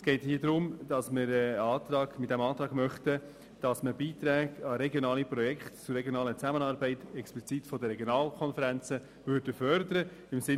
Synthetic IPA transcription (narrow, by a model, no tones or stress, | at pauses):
sɡ̥ɛɪthiːəd̪ɾʊmd̥ɑsməɾɛɑːt̪ɾɑːɡ̥mɪt̪d̥æmɑːt̪ɾɑːɡmœχt̪ə | d̥ɑsməbiːt̪ɾæːɡɑɾɛɡjonɑːlipɾɔjɛkχtt͡sʊrɛɡjonɑːlət͡sæmənɑɾbɛɪt̪ɛksplit͡sit̪fɔd̪əɾɛɡjonɑːlkʰɔnfəɾænt͡sə | vʏɾdəfœɾd̪əɾəɪmsɪ